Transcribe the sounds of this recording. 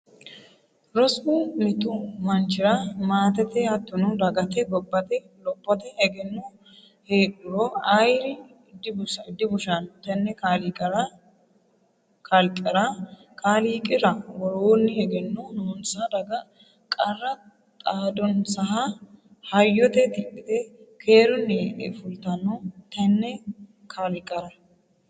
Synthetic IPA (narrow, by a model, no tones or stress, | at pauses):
ɾɔsumɪt̪ʊmɐnt͡ʃɪɾɐmaːt̪ɛt̪ɛhɐt̪ːɔnud̪ɐɡɐt̪ɛɡɔbːɐt̪ɛ | lɔpːɔt̪ɛhɛɡɛnːo | heːkʼʊɾoːɐjɾɪ | d̪bɪd̪ːɪbʊʃant̪ɐnːɛkaːliːkʼɐɾɐ | kʰɐlkʼːɐɾɐ | kʰaːliːkʼɪɾɐwɔɾoːnːɪhɛɡɛnːɔnoːnsad̪ɐɡɐ | kʼɐrːɐ | t̪ʼaːd̪ɔnsɐɦa | hɐjːɔt̪ɛt̪ɪkːɪd̪ɛkʰeːɾɔnːɪʔɛ̰fʊlt̪ɐnːɔt̪ɐnːɛ | kʰalɪkʼːɐɾɐ